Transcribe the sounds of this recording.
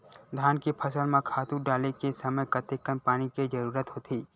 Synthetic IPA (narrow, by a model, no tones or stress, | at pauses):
d̪ʱjaːnkipʰɐsəlmãkʰaːt̪ũɖaːlekesɐməjkət̪ekənpaːɽ̃iked͡ʒəɾuːɾət̪ɦoːt̪ʰiː